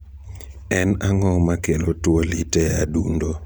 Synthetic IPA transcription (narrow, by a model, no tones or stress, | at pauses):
ɛnaŋɔmakelotwolitɛadundo